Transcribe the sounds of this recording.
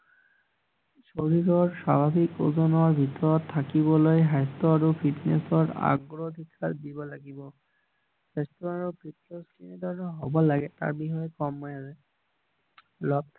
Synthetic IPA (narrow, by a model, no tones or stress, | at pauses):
ʃoɾiɾɔɾʃabʱabʱikozɔnɔaɾbʱit̪ɔɾɔt̪ʰːakibolojɦajst̪oaɾupʰiʈnesɔɾa̰ɡɾod̪ʱikʰːaɾd̪ibɔlaɡibɔ | hast̪ɔaɾopʰiʈ̚neskined̪ɔɾnɔɦɔbɔlaɡet̪a̰ɾbiɦɔekɔmɔjase | lɔb̪̚ʰ